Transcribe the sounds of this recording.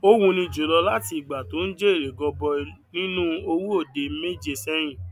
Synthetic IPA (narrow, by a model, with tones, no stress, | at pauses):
o˦wũ˧nĩ˧˨d͡ʒo˨˦lɔ˧la˦ti˧i˨ɡ͡ba˨to˨˦n̩˦d͡ʒe˦e˦˨ɾe˨ɡɔ˧bɔ˧nĩ˦nũ˦o˧wu˦o˦˨de˨˦me˦d͡ʒe˧˨sɛ˦j̃ĩ˦˨